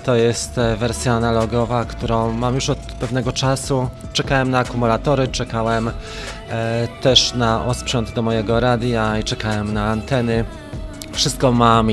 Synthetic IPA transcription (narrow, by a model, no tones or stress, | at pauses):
t̪ɔjɛst̪vɛɾsʲjaːnalɔɡɔvakt̪uɾɔ̃w̃mamjuʂɔt̪pɛvn̪ɛɡɔt͡ʂasu | t͡ʂɛkawɛmnaːkumulat̪ɔɾɘt͡ʂɛkawɛm | t̪ɛʂnaʔɔspʂɔnd̪d̪ɔmɔjɛɡɔɾad̪jait͡ʂɛkawɛmnaːnt̪ɛnɘ | fʂɘst̪̚kɔmam